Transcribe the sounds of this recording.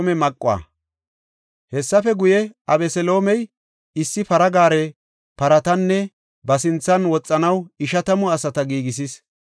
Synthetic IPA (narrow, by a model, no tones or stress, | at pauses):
mɛmɐkʼːʊa̰ː | hɛsːɐfɛɡʊjɛɐbɛsɛlo̞ːmɛj | ɪsːɪpɐɾɐɡaːɾɛ | pɐɾɐt̪ɐnːɛ | bɐsɪnt͡sːɐnwɔt͡sʼːɐnɐwɪʃɐt̪ɐmɔɐsɐt̪ɐɡiːɡɪs̬is